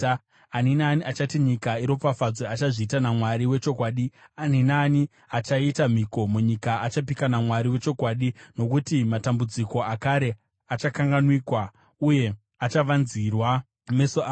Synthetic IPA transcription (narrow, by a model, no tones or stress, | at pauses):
aninaːniʔat͡ʃatiɲikaiɾo̞pafad͡zweat͡ʃaʐiːtanamwaɾiwe̞t͡ʃo̞kwaːɗianinaːni | at͡ʃaitam̤iko̞muɲikaat͡ʃapikanamwaɾiwe̞t͡ʃo̞kwaːɗino̞kutimatambud͡ziko̞akaɾe̞ | at͡ʃakaŋɡanwikwa | uje̞ | at͡ʃaʋanzirwa | mesoa